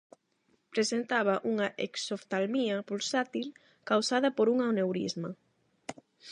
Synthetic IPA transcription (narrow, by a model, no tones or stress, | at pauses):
pɾesent̪aβ̞ɐʔuŋɐʔḛksoft̪almiɐpulsat̪il | kawsaðɐpoɾuŋaonewɾḭzmɐ